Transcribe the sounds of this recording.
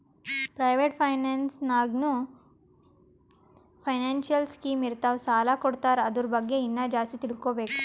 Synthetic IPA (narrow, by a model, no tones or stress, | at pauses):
pɾɐjʋeːʈpʰɐjnaːnsnaːɡnu | pʰɐjnaːnʃjɐlskiːmiɾt̪aːʋsaːlakoɽt̪aːɾɐd̪uɾubɐɡːe̞inːɐd͡ʒaːst̪it̪iɽkoːbe̞ːku̥